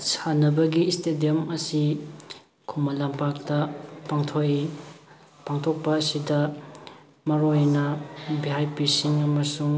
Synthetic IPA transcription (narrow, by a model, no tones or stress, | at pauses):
sanɐbɐɡiːstʰediɐmɐsi | kʰumɐlampak̚tɐpaŋtʰoi | paŋtʰok̚pɐːsidɐ | mɐɾojnɐbiɦajpisiŋɐmɐsuŋ